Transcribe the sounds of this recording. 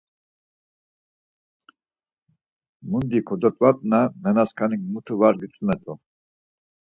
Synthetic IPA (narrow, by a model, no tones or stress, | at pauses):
mund̪ikʰɔd̪ɔt̪ʼwat̪ʼnanɛnaskʰaniŋɡmut̪ʰuvaɾɡit͡sʼumɛt̪ʼu